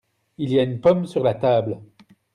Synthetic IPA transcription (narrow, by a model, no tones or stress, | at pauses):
ilijaynpɔmsyʁlat̪abl